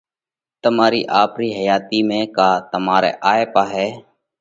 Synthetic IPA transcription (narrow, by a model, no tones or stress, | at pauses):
t̪əmaːɾḭːʔaːpɾiːɦəjaːt̪iːmẽːkaːt̪əmaːɾḛːʔaːeːpaːɦɛː